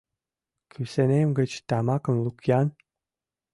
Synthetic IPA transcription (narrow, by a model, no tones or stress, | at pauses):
kʰysenemɡə̆t͡ɕt̪ɑmɑkə̆mlˠukjɑn